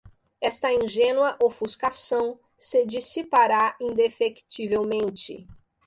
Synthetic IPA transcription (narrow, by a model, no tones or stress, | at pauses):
ɛst̪ɐĩʒẽnwɐʔowfuskasɐ̃w̃ | sɪd͡ʒisipaɾaĩd̪efekt͡ʃivewmẽnt͡ʃɪ̰